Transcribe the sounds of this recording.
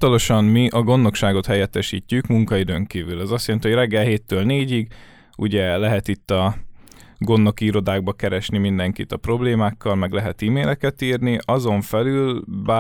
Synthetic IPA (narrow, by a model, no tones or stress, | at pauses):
t̪ɒlo̞ʃɒmmiʔɒɡo̞nːo̞kʃaːɡo̞t̪hɛjɛt̪ːɛʃḭːcːykmuŋkɒid̪øːŋkiːvylɛzɒst̪jɛlɛnt̪iho̞ɟrɛɡːɛlɦeːt̪ːøːlneːɟiɡ | uɟɛlɛɦɛt̪it̪ːɒ | ɡo̞nːo̞kiːɾo̞d̪aːɡ̚bɒkɛɾɛʃnimind̪ɛŋkit̪ɒpro̞bleːmaːkːɒlmɛɡlɛɦɛt̪iːmeːlɛkɛt̪iːrniʔɒzo̞ɱfɛlylba